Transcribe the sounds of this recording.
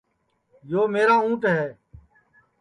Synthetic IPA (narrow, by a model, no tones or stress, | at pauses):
joːmeːɾãːũːʈɦɛː